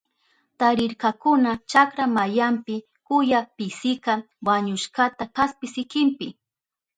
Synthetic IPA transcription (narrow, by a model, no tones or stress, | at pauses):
t̪aɾɪɾkakʊnat͡ʃakɾamajampɪ | kʊjapɪsɪka | waɲʊʃkat̪akaspɪsɪkɪmpɪ